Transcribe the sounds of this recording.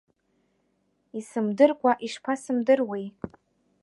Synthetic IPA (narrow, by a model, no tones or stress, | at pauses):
isɨmdɨrkʷʼaʔiʂpʰasɨmdɨrwej